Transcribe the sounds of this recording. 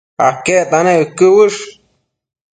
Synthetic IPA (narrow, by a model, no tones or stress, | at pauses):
aket̪anẽɨkɨwɨʂ